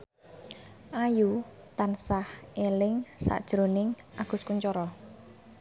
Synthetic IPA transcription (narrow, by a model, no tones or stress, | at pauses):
ʔaju | t̪ansahʔelɪŋsa̰ʔd̥ʒ̥ɾonɪŋ | ʔaɡ̥ʊ̤skuɲt͡ʃɔɾɔ